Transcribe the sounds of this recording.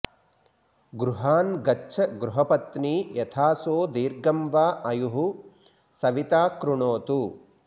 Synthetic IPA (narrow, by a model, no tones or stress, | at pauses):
ɡɾuɦaːnɡɐt͡ʃʰɐɡɾuɦɐpɐt̪niːjɐt̪ʰaːsoːd̪iːɾɡɐmʋaːʔɐjuɦu | sɐʋit̪aːkɾuɳoːt̪u